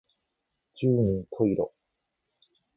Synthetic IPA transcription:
d͡ʑɨːɲ̟ĩnt̪ʰoiɾo̰

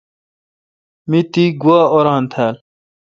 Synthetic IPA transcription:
mit̪iɡuaːoɾant̪ʰæːl

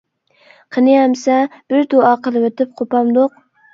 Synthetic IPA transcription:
qʰɨnɪjamsab̥ɪɾd̪oɑqʰəlˠɨwot̪ɪp̚qʰopɑmd̪oq̚

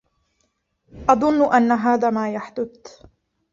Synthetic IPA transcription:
ʔɑðˤʊnːʔanːaɦaːðaːmaːjaħd̪ʊθ

